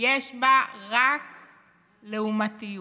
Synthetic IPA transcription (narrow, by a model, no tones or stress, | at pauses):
jeʃbaʁak | leumatiju